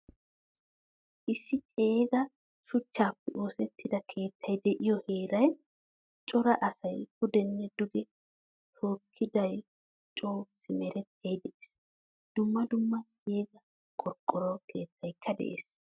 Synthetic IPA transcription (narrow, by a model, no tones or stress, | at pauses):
ʔɪsːɪt͡ʃʼeːɡɐ | sʊt͡ʃːaːpːɛʔo̞ːsɛt̪ʰːɪd̪ɐkʰe̞ːt̪ːɐjd̪ɛʔɪjɔhe̞ːɾɐj | t͡ʃʼɔɾɐʔɐsɐjɡʊd̪ɛnːɛd̪ʊɡɛ | t̪ʰo̞ːkʰːɪd̪ɐj | t͡ʃʼoːsɪmɛɾɛt̪ʰːejd̪ɛʔes | d̪̥ʊmːɐd̪ʊmːɐt͡ʃʼeːɡɐ | kʼɔɾkʼːɔɾɔkʰe̞ːt̪ʰːɐjkʰːɐd̪ɛ̰ʔḛːs